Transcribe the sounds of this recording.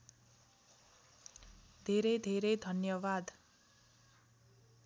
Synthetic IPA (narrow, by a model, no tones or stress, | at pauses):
d̪ʱeɾʌjd̪ʱeɾʌjd̪ʱʌnjʌbad̪